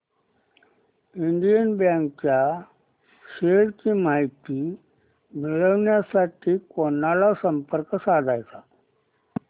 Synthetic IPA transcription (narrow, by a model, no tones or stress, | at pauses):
iɳɖijənbjãŋk̚t͡ɕja | ɕeɽkiːmajt̪i | miɭəʋɳjasaʈʰiːkonːalasəmpəɾksad̪ʱajt̪a